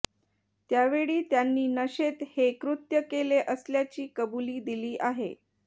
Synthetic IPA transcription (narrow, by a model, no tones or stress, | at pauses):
t̪jaʋeɭiːt̪janːiːnəɕet̪hekɾut̪jəkeleʔəsljat͡ɕiːkəbuliːd̪iliːʔaɦḛ